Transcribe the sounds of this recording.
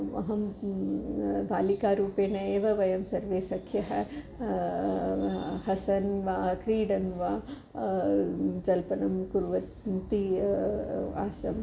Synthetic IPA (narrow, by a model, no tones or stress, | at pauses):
ʋɐ̰ɦɐm | bʱaːlikaːɾuːpeːnɐeːʋɐʋɐjɐmsɐɾʋeːsɐkʰjɐɦɐ | hɐsɐnʋaːkɾiːɽɐnʋaː | d͡ʒɐlpɐnɐmkuɾʋɐ | t̪i | a̰ːsɐm